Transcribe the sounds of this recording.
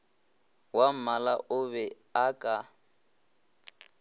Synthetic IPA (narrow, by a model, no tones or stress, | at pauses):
wam̩malaʔʊβɛ | akʼa